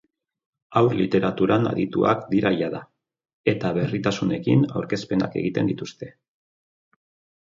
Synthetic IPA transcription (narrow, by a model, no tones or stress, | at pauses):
awɾlit̪e̞ɾat̪uɾana̰ðit̪ua̰kd̪iɾajaða | e̞t̪aβe̞rit̪asune̞kina̰wɾke̞spe̞na̰ke̞̰ɣit̪e̞nd̪it̪ust̪e̞